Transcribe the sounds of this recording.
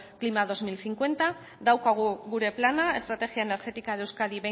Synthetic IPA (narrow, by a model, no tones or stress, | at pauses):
klimað̞o̞zmilθiŋkwe̞nt̪a | ðawkaɣ̞uɣuɾe̞planae̞st̪ɾat̪e̞ɣjaene̞ɾɣe̞t̪ikaðewskaðiβe